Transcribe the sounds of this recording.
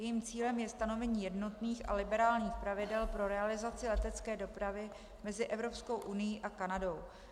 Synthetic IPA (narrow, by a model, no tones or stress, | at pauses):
jɛjimt͡siːlɛmjɛst̪ano̞vɛɲiːjɛdno̞t̪niːxa̰lɪbɛɾaːlɲiːxpɾavɪdɛlpɾo̞ɾɛalɪzat͡sɪlɛt̪ɛt͡skɛːdo̞pɾavɪ | mɛzɪʔɛvɾo̞psko̞wʔunɪjiʔakanado̞w